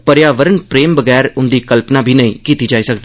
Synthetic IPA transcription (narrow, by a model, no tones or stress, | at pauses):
pəɾjaːʋəɾənpɾeːmbəɡɛːɾʊnd̪iːkəlpnaːbʱiːnəĩːkiːt̪iːd͡ʒaːiːsəkd̪eː